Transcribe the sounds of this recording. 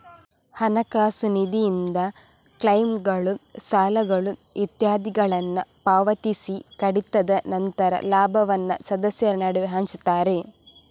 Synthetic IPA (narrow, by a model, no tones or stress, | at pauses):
hɐnɐkaːsunid̪ʱijind̪ɐ | kɭɐjmɡɐɭusaːlɐɡɐɭuʋʔit̪jaːd̪iɡɐɭɐnːɐpaːʋɐt̪isikɐɽit̪ːɐd̪ɐnɐnt̪ɐɾɐ̰laːbʱɐʋɐnːɐ̰sɐd̪ɐsjɐɐnaɽuʋiɦaːnsu̥t̪aːɾe̞